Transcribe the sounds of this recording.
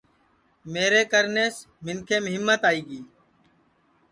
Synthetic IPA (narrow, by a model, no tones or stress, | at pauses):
meːɾeːkəɾneːs | mɪnkʰeːmʊɦɪmːət̪aːiːɡiː